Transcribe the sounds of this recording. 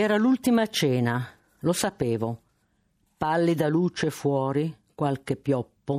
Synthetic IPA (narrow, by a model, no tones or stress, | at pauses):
ɛːɾalult̪imat͡ʃɛːna | losapɛːvo | palːid̪aluːt͡ʃefwɔːɾi | kwalkepːjɔpːo